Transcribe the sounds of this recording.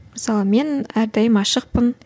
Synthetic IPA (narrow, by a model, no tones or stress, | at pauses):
məsɑlˠəme̞næɾd̪ɑjəmɑʃəq̚pən